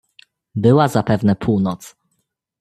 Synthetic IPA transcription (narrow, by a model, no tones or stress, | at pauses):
bɘwazapɛvnɛpʰuwnɔt̪s